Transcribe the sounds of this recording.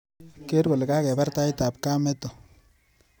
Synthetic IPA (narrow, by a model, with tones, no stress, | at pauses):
ke˦ɾɡo˨lka˦kɛ˨pa˦rta˦jta˨p̚ka˦mɛ˦tɔ˨